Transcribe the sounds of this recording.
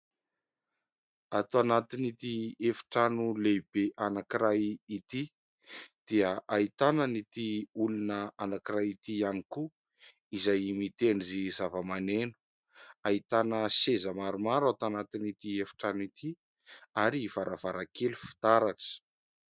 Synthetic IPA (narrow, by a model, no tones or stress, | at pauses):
at̪uanat̪init̪iefi̥ʈ͡ʂanuleb̥eʔanakiɾajit̪i | d̪̥iəʔait̪anənit̪iulunəanakiɾajit̪ianiku | izajimit̪eɳizizavəmanenu̥ | ait̪anəsezəmaɾumaɾat̪uanat̪init̪iefi̥ʈ͡ʂanit̪ʰi | aɾiv̥aɾavaɾakʰelufi̥t̪aɾaʈ͡ʂə̥